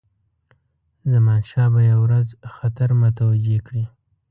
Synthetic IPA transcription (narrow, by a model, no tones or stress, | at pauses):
zamɑnʃɑbajawɾazxat̪aɾmʊt̪awad͡ʒekɽi